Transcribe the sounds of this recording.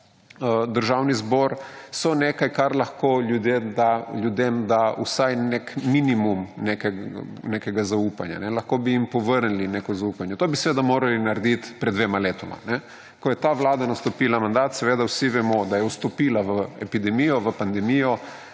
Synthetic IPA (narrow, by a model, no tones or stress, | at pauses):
əd̪əɾʒawnizbɔːɾsɔnekajkaɾlɐxkoljud̪ed̪alʲjud̪emd̪aṵsajnekminimumnekɛnekɛɡazaupanja̰nɛlɐxkoːbiimpɔʋəɾnilinekɔzaupanjɛt̪obisɛʋeːd̪amoːɾalinaɾɛd̪it̪pɾɛd̪ʋeːmaleːt̪ɔma̰nɛ | kɔjɛt̪aʋlaːd̪anast̪ɔpiːlamand̪at̪sɛʋeːd̪awsiʋɛmɔd̪ajɛwst̪ɔpiːlaʋəɛpid̪ɛmijɔʋəpand̪ɛmijɔ